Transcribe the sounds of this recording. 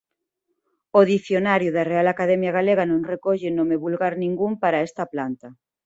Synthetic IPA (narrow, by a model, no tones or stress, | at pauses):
oðiθjonaɾjuðarealakaðɛmjaɣ̞aleɣanõŋrekoʎenomeβulɣaɾnĩŋɡumpaɾaest̪ɐplant̪a